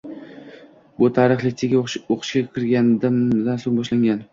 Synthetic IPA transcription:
bʊt̪ʰaɾɨχlɪkʲt̪ʰeɡʲoqʰɨ̥ʃkʲakʲʰɪɾɡʲand̪ɪmd̪ansoŋbɒʃlaŋɡʲan

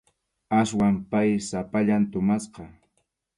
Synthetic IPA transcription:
aswampajsapaʎant̪ʊmasqɑ

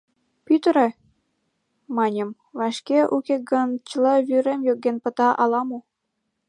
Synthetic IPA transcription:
pyt̪əɾĕ | mɑnʲə̆m | vɑʃkeʔukeɡə̆nt͡ɕəlɤβyɾemjøk̚ɡenpə̆t̪ɑʔɑlɑmu

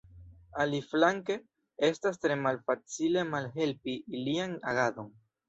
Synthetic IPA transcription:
aliflaŋke̞ | e̞stas̬tɾe̞malfat͡sile̞malɦe̞lpiːlianaɡado̞n

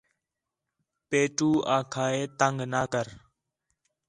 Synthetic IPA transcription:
peːʈuːʔaːkʰaːeːt̪əŋɡnaːkəɾ

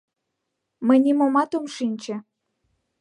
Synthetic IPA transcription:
məjnʲimomɑt̪omʃinʲt͡ɕĕ

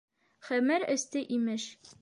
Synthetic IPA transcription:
χæmɘɾɘ̆st̪ɘʔimɘʃ

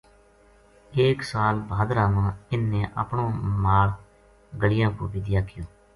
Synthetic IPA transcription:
eːksaːlbʱaːd̪ɾãːmãːɪnːẽːʔa̰ːpɳõːmaːl | ɡəlɪjãːkoːbɪd̪ɪjaːkɪjoː

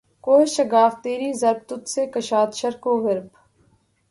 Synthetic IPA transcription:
koːeʃɐɡaːft̪eːɾiːzɐɾb̚t̪ʊt̪seːkɐʃaːt̪ʃɐɾkoːɣɐɾb

